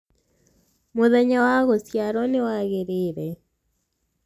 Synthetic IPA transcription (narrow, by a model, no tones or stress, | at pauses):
moðɛɲawaɣosjaɾɔnewaɣeɾeːɾɛ